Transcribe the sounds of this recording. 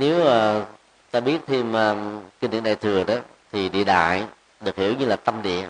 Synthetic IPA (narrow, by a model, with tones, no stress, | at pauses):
ne˨˦wʔəː˨˩ | t̪aː˧ɓi˦˥ət̚t̪ʰe˧məː˨˩ki˧nḭ˧˨nɗa̰ː˧˩jt̪ʰɨ˨˩əɗɔ˨˦ | t̪ʰi˨˩ɗḭ˧˨ɗa̰ː˧˨j | ɗɨ˨˩ək̚hḭ˧˩əwɲɨ˧laː˨˩t̪ə˧mɗḭ˧˨ə